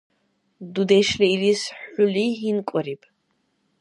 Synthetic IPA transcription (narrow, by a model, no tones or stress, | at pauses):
d̪ud̪ɛʃliiɾisħuliɦinkʷʼɐɾipʼ